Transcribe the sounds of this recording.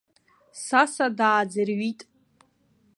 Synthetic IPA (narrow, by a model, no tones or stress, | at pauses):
sasadaːd͡zɨrɥitʼ